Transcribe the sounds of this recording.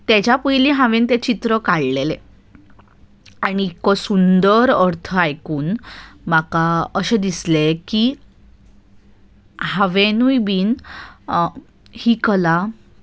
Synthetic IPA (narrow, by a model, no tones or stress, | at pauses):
t̪et͡ɕapəjliɦãʋent̪et͡ɕit̪ɾəkaɭlele | aniːkɔsund̪əɾəɾt̪ʰəajkuːnmakaəɕed̪isleki | haʋenujbiːn | hiːkəla